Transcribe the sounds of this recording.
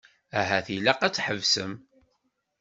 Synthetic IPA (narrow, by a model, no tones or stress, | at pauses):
æɦæθilæqæt͡sːħəvsəm